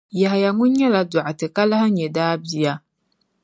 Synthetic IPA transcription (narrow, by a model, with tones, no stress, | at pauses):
ja˨ɦa˨ja˨ŋʊ̃˦n˦ɲɛ˦la˨da˨ʔa˨tɨ˨ka˦la˦ha˦ɲɛ˨daː˦bi˨ja˦